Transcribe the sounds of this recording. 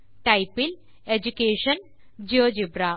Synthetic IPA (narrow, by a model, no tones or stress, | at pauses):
ʈajpil | ed͡ʑukeːɕən | d͡ʑiod͡ʑibɾa